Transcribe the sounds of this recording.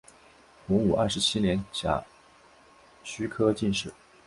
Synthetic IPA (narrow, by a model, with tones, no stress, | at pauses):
xʊ˧˥ŋu˨˩ɐ˥˩ʂɻ̩˧˥t͡ɕʰi˥njɛ˧˥nt͡ɕja̰˨˩ | ɕy˥kʰɤ˥t͡ɕi˥˧nʂɻ̩˥˩˦